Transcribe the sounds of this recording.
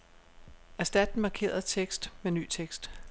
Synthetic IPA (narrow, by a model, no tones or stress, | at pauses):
æɐsd̥æd̥n̩mɑ̈kʰe̝̰ːɐð̩ˠt͡sʰeɡ̥sd̥meny̰ːt͡sʰeɡ̥sd̥